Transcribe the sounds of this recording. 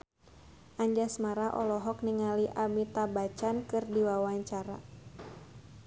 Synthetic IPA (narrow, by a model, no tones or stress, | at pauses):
ʔaɲd͡ʒasmaɾaʔɔ̰lɔɦɔk̚niŋaliʔamit̪abat͡ʃankɨrdiwawaɲt͡ʃaɾa̰